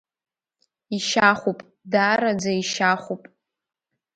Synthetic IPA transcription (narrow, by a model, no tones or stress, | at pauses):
iʃaχʷupʼ | daɾad͡zaiʃaχʷupʼ